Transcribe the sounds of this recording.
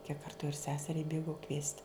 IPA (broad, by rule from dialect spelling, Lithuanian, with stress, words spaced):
kʲiɛk ˈkɐrtʊ ɪr ˈsʲæːsʲɛrʲɛɪ ˈbʲeːɡɐʊ kʋʲiɛsʲtʲ